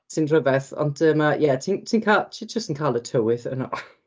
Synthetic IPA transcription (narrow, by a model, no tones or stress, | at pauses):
tʰinrəvɛθɔ̰̃ntʰəmajɛtʰintʰiːnkʰaltʰid͡ʒəstn̩kʰalˠətʰowɪθə̰nɔ̰ʔ